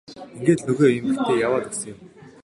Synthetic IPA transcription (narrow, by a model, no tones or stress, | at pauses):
iŋɡeːt̪nɵɣeːjɵmɡit̪ʰeːjawaːt̪e̥sə̆ŋjɪ̆m